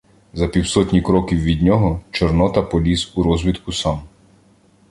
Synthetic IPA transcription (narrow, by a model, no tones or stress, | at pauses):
zɐpʲiwsɔt̪ʲnʲikɾɔkʲiwʋʲid̪ʲnʲɔɦɔt͡ʃɔrnɔt̪ɐpɔlʲizuɾɔzʲʋʲit̪kʊsɑm